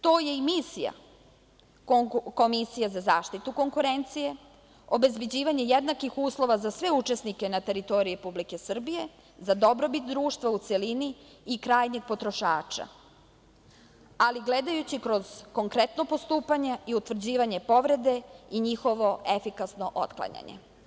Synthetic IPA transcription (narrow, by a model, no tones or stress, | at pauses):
t̪o̞ːje̞imisija̰ | ko̞misijezazaːʃt̪it̪uko̞ŋkuɾe̞nt̪sije̞ | o̞be̞zbe̞d͡ʑiːʋaɲe̞jed̪nakixuːslˠo̞ʋazasʋe̞ut͡ʃesnike̞nat̪e̞ɾit̪o̞ɾiɾepublike̞sr̩bije̞ | zad̪o̞bɾo̞bit̪d̪ɾuːʃt̪ʋaut̪seliniː | kɾaːjɲeɡ̚po̞t̪ɾo̞ʃaːt͡ʃa̰ | aliɡled̪ajut͡ɕikɾo̞z̥ko̞ŋkɾet̪no̞po̞st̪uːpaɲeiut̪vr̩d͡ʑiːʋaɲe̞po̞ʋɾe̞d̪e̞iɲixo̞ʋo̞e̞fikasno̞ʔo̰t̪klˠa̰ɲa̰ɲḛ